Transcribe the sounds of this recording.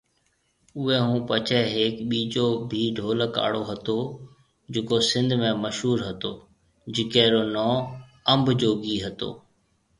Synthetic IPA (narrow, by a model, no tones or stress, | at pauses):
ʊɦɛːɦũːpət͡ʃʰɛːɦeːkɓiːd͡ʑoːbʱiːɖʱoːləka̰ːɽoːɦət̪oː | d͡ʑɪkosɪ̃nd̪ʱmẽːməʃɦuːɾɦət̪oː | d͡ʑɪkɛːɾoːnɔːəmbd͡ʑoːɡiːɦət̪o̰ː